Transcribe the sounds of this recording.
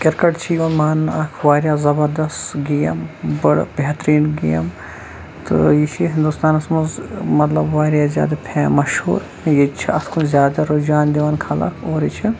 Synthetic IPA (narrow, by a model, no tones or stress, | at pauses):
kɐɾkɐʈt͡ʃʰijonmaːnakʰʋaːɾjaːzɐbɐɾd̪ɐst̪ɡijɐ̰mbɐɽbeɦt̪ɾiːnɡijɐ̰m | t̪ɨ̰jit͡ʃʰiɦɪ̃nd̪ust̪aːnɐsmɐzmɐt̪lɐbʋaːɾjazja̰ːd̪ɐpʰeːmɐʃhṵːɾ | jit͡ʃʰiɐt̪ʰkʰunzʲjaːd̪aɾod͡ʒaːnd̪eʋankʰalɐ̰kʰoːɾit͡ʃʰi